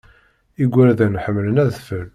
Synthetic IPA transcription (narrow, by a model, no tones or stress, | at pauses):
iɡʷːæɾðænħəmːlənæðθfəl